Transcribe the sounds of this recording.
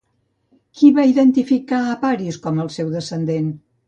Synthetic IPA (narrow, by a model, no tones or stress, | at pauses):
kʰiβaiðənt̪ifikaəpaɾiskɔməlˠsɛwðəsənd̪en